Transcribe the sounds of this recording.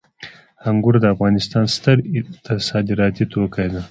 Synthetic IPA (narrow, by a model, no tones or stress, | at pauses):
haŋɡʊɾd̪əafɣɑnɪst̪ɑːnst̪əɾt̪ɐsɑːd̪iɾɑt̪it̪okajd̪a